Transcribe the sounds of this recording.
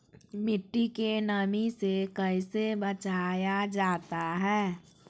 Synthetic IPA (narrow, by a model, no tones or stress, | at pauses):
mɪʈːikenəmisekəɪsebət͡ʃaːjad͡ʒaːt̪aɦɛː